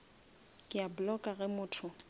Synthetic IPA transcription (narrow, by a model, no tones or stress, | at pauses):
kʼɪabʊlɔkʼaɣɛmʊːtʰʊ